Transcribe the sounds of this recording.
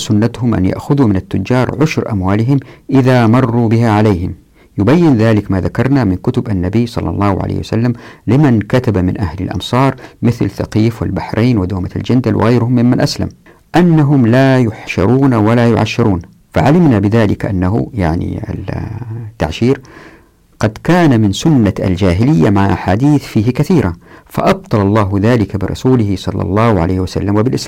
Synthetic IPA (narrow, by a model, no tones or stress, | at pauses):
sʊnːat̪hʊmʔa̰nja̰ʔxʊðumɪnat̪ːʊd͡ʒːɑːɾˤʕʊʃɾʔa̰mwaːlɪɦɪmʔɪðamɑrˤːubɪɦaʕaleːɦɪm | jʊbajːɪnðaːlɪkmaðakɑɾˤnamɪnkʊt̪ʊbʔanːabiːsˤɑ̰lːɑ̰lˤːɑːhʕa̰lḛːhwa̰salːamlɪmankat̪abamɪnʔahla̰lʔɑ̰msˤɑːɾˤmɪθlθa̰qiːfwɪ̰lbaħɾʔeːnwɪd̪oːmaa̰ld͡ʒand̪alwʔɪ̰ɣajɾhʊmːɪmːanʔasla̰m | ʔanːaɦʊmlajʊħʃɑɾˤuːnawalajʊʕa̰ʃːɪɾˤuːn | fa̰ʕalɪmnabɪðaːlɪkʔanːaɦʊ̰jaʕnḭa̰lt̪ːa̰ʕʃiːɾ | ɡ̥ɑd̪kaːnamɪnsʊnːaʔa̰ld͡ʒaːɦɪlɪjːamaʕaʔaħaːd̪iːθfiːɦɪkaθiːɾafa̰ʔɑb̚t̪ˤɑlɑlˤːɑːɦðaːlɪkabɪɾˤɑ̰suːlɪɦɪsˤɑlːɑ̰lˤːɑːhʕa̰leːhwasa̰lːamwɪbɪlʔɪslaːm